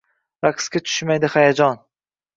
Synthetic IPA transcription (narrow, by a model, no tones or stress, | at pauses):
vaqʰɨ̥skʲat͡ʃ̪ʰʊ̥ʃmajd̪ɪhajad͡ʒɒn